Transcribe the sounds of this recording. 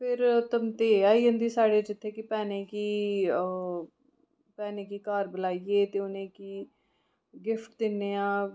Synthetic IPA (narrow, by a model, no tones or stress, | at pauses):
pʰɪɾt̪əmt̪eːaːiːɦə̃nd̪iːsaːɽeːd͡ʒɪt̪ʰːeːkɪpɛːneːkiː | pɛːneːkiːkaːɾbəlaːieːt̪eːʊnẽːkiː | ɡɪfʰʈ̚d̪ɪnːeːãː